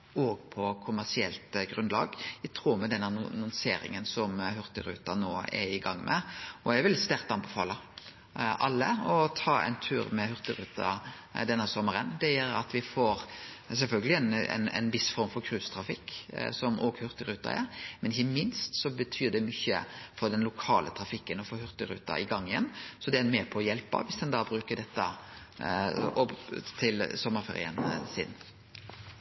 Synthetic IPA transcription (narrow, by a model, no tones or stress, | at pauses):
oːɡpʰɔkʰʊmæʁsɪɛlt̪ɡɾʉnd̪lɑ̰ːɡæt̪ʰɾuːɾmɛd̪ɛnːənnʊnseːɾɪ̰ŋənsɔmhʉɾt̪əɾʉ̰ːt̪ɑnoːɛ̰ɾɪɡɑŋːmʔɛ̰ʔɔjæʋɪlst̪æɾt̪ɑnbɛfɑːlɑ | ʔɑlːəɔt̪ʰɑːɛ̰ɪnt̪ʰʉːɾmɛhʉɾt̪əɾʉːt̪ɑ̰ | d̪ɛnːəsɔməɾənd̪ɛjæɾɑt̪ʋɪfoɾsɛlfœlɡəlɪɛnɛ̰nɛ̰nʋɪsfɔɾmfɔɾkʰɾʉːst̪ʰɾɑfɪkːsɔmʔoːɡhʉɾt̪əɾʉːt̪ɑ̰æ̰ːɾmɛnɪçəmɪnst̪sɔbət̪ʰyːd̪ɛmʏçːə̰fɔɾd̪ɛnlʊkʰɑːlʔət̪ʰɾɑfɪkːənɔfoːhʉɾt̪əɾʉ̰ːt̪ɑ̰ʔɪɡɑŋːɪjɛ̰nːsɔd̪ɛæɾmeːpʰɔɔjɛlpɑ̰ʋɪsd̪ɛnd̪ɑːbɾʉːkəd̪ɛt̪ːə̰ | ɔt̪ʰɪlsɔmːəɾfḛːɾɪ̰ə̰nsɪ̰n